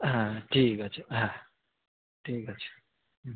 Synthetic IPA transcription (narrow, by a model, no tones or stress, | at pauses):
ɦãʈʰikʌt͡ʃʰɦã | ʈʰiːkʌt͡ʃʰ